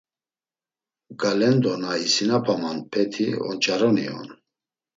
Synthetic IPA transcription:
ɡalɛnd̪ɔnaisinapʰamanpʰɛt̪ʰḭɔ̰nt͡ʃʼaɾɔnḭɔ̰n

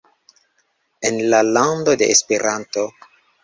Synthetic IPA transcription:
enlalando̞de̞̰ʔespeɾʔanto̞

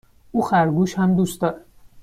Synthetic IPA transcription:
uːxæɾɡuːʃhæmd̪uːst̪ɒːɾæ

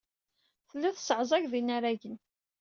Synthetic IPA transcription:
θəlːæθsəʕzˤæʝðinaɾæʝən

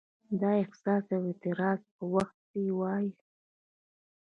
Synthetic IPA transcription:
d̪ɑɪksɑsawet̪ɪɾɑzpəwaxt̪̚diwɑji

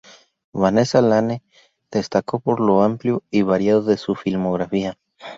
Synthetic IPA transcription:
βane̞salane | ð̥e̞st̪ako̞po̞ɾlo̞ampljoiβaɾjaðoðe̞sufilmoɣɾafia

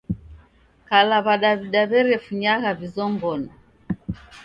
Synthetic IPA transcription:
kalaβaɗaβiɗaβɛɾɛfuɲaɣavizɔŋɡɔnɔ

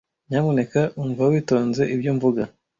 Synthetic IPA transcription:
ɲamune̞kaʔuɱvawiːto̞ːnze̞ʔibjuːɱvuɡa

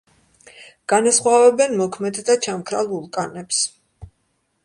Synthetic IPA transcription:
ɡ̥anasχwavɛbɛnmɔkʰmɛd̪d̪at͡ʃʰamkʰɾa̰lˠulˠkʼanɛps

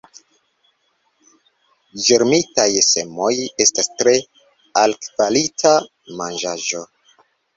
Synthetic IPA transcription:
d͡ʒeɾmitajse̞mo̞je̞stastɾe̞ | alkvalitʰa | mand͡ʒaʒo̞

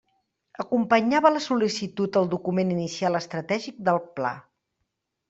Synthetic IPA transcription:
əkumpəɲaβələsulisit̪ut̪əlˠd̪ukumeninisialəst̪ɾət̪ɛʒik̚d̪əlˠpla̰

